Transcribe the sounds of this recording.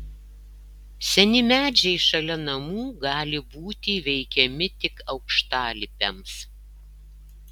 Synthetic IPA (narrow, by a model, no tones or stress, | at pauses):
sʲɛnʲɪmʲæːd͡ʒʲɛɪʃɐlʲɛnɐmuːɡɑːlʲɪbuːt̪ʲiʋʲɛɪkʲɛmʲɪt̪ʲɪkɐʊkʃt̪ɑːlʲɪpʲɛms